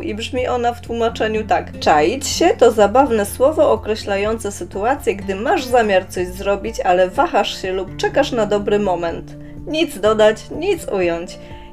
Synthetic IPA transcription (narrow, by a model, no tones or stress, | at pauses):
ʔibʐmʲiʔɔnaft̪wumat͡ʂɛɲut̪akt͡ʂajit͡ɕɕɛt̪ɔzabavnɛswɔvɔʔɔkɾɛɕlajɔnt̪sɛsɘt̪uat̪sʲjɛɡd̪ɘmaʐzamʲjaɾt̪sɔʑzɾɔbʲit͡ɕalɛvaxaʂɕɛlupt͡ʂɛkaʂnad̪ɔbɾɘmɔmɛnt̪ | ɲit̪zd̪ɔd̪at͡ɕɲit̪sujɔɲt͡ɕ